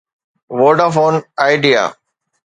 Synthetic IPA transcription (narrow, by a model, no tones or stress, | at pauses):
ʋoːɖafoːnaɪɖia̰ː